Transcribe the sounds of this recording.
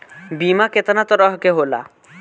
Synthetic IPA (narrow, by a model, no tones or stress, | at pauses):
bimaket̪anat̪ɔɾɔɦkeɦola̰